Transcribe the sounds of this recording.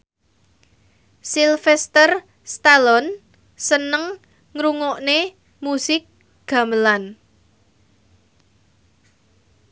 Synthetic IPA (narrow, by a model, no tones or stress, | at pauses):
silfɛst̪ər | st̪alɔn | sənəŋ | ŋɾuŋɔʔne | musɪk̚ | ɡ̥a̤məlan